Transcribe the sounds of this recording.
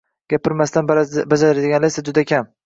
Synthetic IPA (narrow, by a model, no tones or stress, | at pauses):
ɡ̥ʲapɪɾmast̪anbad͡ʒaɾaɾad̪ɪɡʲanlajsad͡ʒʊd̪akʲʰam